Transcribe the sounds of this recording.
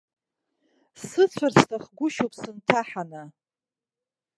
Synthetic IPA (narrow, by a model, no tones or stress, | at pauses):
sɨt͡sʷʰarsʰtʰaχɡʷʊʃowpʼʰsɨntʰaħana